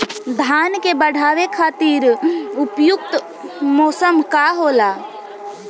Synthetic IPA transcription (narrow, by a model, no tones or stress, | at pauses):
d̪ʱaːnkebəɽ̤ʱaːʋekʰaːt̪iːɾʊpjʊk̚t̪ | mɔːsəmkaɦoːlaː